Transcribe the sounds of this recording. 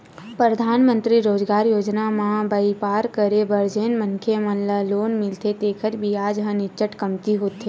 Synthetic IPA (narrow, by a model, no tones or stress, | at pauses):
pɾəd̪ʱaːnmə̃nt̪ɾiɾoːd͡ʒɡaːɾjoːd͡ʒnamãbəipaːɾkəɾebəɾd͡ʒeːnmə̃ŋkʰemɐ̃nlaloːnmɪlt̪ʰet̪eːkʰətbʱiaːd͡ʒɦə̃nɪt͡ʃəʈkɐmt̪iɦoːt̪eː